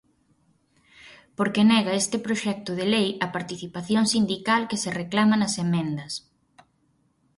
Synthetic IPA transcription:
poɾkenɛɣɐest̪ɪpɾoʃɛk̚t̪ʊðelejɐpaɾt̪iθipaθjoŋsind̪ikalkesereklamɐnɐsemẽnd̪ɐs

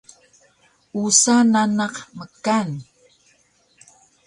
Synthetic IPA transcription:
usananɑqməkan

